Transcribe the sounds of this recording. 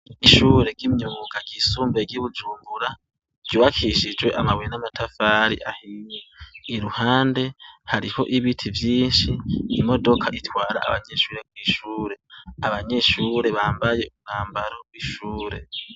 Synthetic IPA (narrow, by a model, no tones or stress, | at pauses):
iʃuːɾe̞ɡimɲuuɡaɡ̥isuːmbeɡiβud͡ʒuːmbuɾḁ | juːβakʰiʃid͡ʒwe̞ʔamawenamatʰafaːɾḭʔahiɲeiɾuhaːnde̞haɾiho̞̰ʔiβitʰivjiːnʃimo̞do̞kʰaʔitwaːɾa̰a̰βaɲe̞ʃuːɾe̞kwiːʃuːɾe̞aβaɲe̞ʃuːɾe̞βaːmbaje̞umuŋaːmbaɾo̞wiʃuːɾe̞̰